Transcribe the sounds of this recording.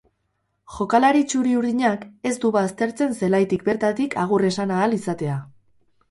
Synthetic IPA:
ʝo̞kalaɾit͡ʃuɾiuɾðiɲake̞zd̪uβast̪e̞ɾt͡se̞nse̞lajt̪ikbe̞ɾt̪at̪ikaɣ̞ure̞sanaːlisat̪e̞a

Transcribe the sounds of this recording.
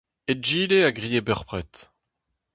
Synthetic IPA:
ed͡ʒiːleaɡʁijebœʁpʁɛt̪

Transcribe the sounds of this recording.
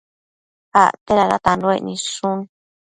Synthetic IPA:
a̰t̪eɾaða̰t̪anloenĩsun

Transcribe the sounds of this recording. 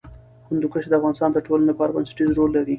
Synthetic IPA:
kʊnd̪ukaʃed̪əafvɣɑnɪst̪ɑnd̪əʈolanapɑɾaba̰nsʈizɾolːaɾi

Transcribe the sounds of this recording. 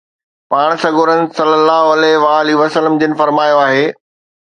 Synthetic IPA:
paːɽ̃sɐɡʱʊɾənɪ̆sɐlːəlːaːɦoɐlɛɦʋaːliʋɐsələmd͡ʑɪnɪ̆fɐɾmaːjoaːɦeː

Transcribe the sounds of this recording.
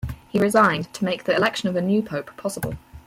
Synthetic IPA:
hiɹɪzãɪ̃ntʰəmeɪk̚ðiɪlɛkʃə̃nəvənjʉːpʰəʊpʰɒsəbə̰lˠ

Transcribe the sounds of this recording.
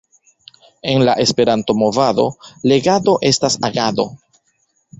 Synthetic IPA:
e̞nlaʔe̞spe̞ɾanto̞mo̞vado̞̰le̞ɡado̞ʔe̞stasaɡado̞̰

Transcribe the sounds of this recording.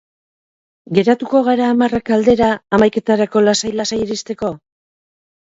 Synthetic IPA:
ɡe̞ɾat̪uko̞ɣaɾaːmarakald̪e̞ɾaːmajke̞t̪aɾako̞lasajlasajiɾist̪e̞ko̞

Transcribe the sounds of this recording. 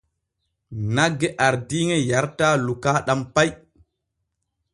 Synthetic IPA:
naɡːɛʔaɾdiːŋɛjaɾtaːlukaːɗampaj

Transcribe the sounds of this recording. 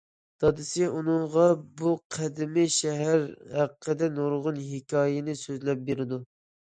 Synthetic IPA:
d̪̥ɑd̪ɪsɪunɨŋʁɑbuqʰæd̪ɪmɪʃɛɦæɾhæqqʰːəd̪ɛnoɾʁʊnɦɪkʲʰɑːjɪnɪsøzlɛp̚beɾɪd̪u

